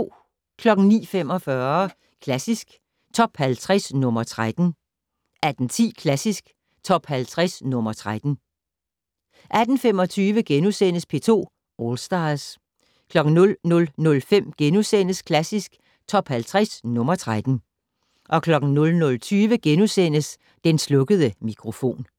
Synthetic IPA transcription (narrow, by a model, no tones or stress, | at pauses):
kʰlɒ̽ɡ̥n̩nḭːfem̰ɒ̽fɶɐ | kʰlæsisɡ̥ | t͡sʰɒ̽b̥hælt͡sʰʁɛsnɔ̽mɐt͡sʰʁad̥n̩ | ʔæd̥n̩t͡sʰḭːkʰlæsisɡ̥ | t͡sʰɒ̽b̥hælt͡sʰʁasnɔ̽mɐt͡sʰʁad̥n̩ | ʔæd̥n̩fem̰ɒ̽t͡sʰyːʋəɡ̥enusen̰əspʰe̝ːt͡sʰo̝̰ː | ɒlsd̥ɑ̈s | kʰlɒ̽ɡ̥n̩nɔ̽lnɔ̽lnɔ̽lfem̰ɡ̥enusen̰əskʰlæsisɡ̥ | t͡sʰɒ̽b̥hælt͡sʰʁasnɔ̽mɐt͡sʰʁad̥n̩ | ʔɒ̽kʰlɒ̽ɡ̥n̩nɔ̽lnɔ̽lt͡sʰyːʋəɡ̥enusen̰əs | d̥enslɔ̽ɡ̥əð̞ˠəmikʰʁo̝fo̝̰ːn